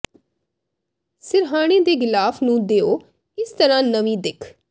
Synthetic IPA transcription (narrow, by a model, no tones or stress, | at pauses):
sɪɾɦaːɽ̃ẽːd̪eːɡɪlaːfʰnũːd̪eːoː | ɪst̪əɾãːnəʋĩːd̪ɪkʰ